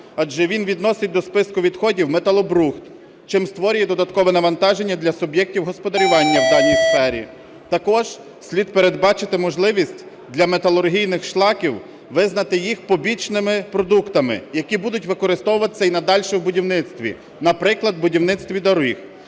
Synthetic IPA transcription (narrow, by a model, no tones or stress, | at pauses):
ɑd͡ʒɛʋʲinʋʲid̪nɔsɪt̚ʲd̪ɔspɪskʊʋʲid̪xɔdʲiwmet̪ɐlˠɔbɾuxt̪ | t͡ʃɪmst̪ʋɔɾʲʊjɛd̪ɔd̪ɐt̪kɔʋɛnɐʋɐnt̪ɑʒe̞nʲːɐd̪lʲɐsʊbjɛk̚tʲiwɦɔspɔd̪ɐɾʲʊʋɑnʲːɐwd̪ɑnʲijsfɛɾʲḭ | t̪ɐkɔʒ̥ | sʲlʲid̪̚peɾe̞d̪bɑt͡ʃɪt̪ɪmɔʒlˠɪʋʲisʲtʲ | d̪lʲɐmet̪ɐlˠʊrɦʲijnɪxʃlˠɑkʲiw | ʋɪznɐt̪ɪjixpɔbʲit͡ʃnɪmɪpɾɔd̪ukt̪ɐmɪ̰jɐkʲibud̪ʊtʲʋɪkɔɾɪst̪ɔwʊʋɐt̪ɪ̥t͡sʲːɐinɐd̪ɑlʲʃɛwbʊdʲiwnɪt̪st̪ʋʲḭ | nɐpɾɪklˠɐd̪̚bʊdʲiwnɪt̪st̪ʋʲid̪ɐɾix